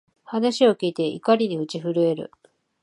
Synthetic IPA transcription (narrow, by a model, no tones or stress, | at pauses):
hanaɕio̞kʲiːt̪e̞ʔḭkaɾʲiɲ̟iɯ̟t͡ɕiɸɯɾɯ̟e̞ɾɯ̟̰